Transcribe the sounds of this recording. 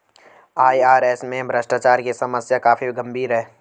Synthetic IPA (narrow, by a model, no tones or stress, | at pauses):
aːiaːɾɛːsmẽbʱɾəsʈaːt͡ʃaːɾkisɐməsjakaːfʰiɡɐ̃mbʱiːɾɦɛː